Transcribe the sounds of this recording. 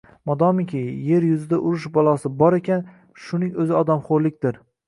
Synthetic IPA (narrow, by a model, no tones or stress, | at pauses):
mɒd̪ɒmɪkʲʰɪje̞ɾjʊzɪd̪aʔʊɾʊʃbɒlˠɒsɪbɒɾe̞kʲʰan | ʃʊnɪŋɵzɪɒd̪amχoɾlɪk̚ʲd̪ɪɾ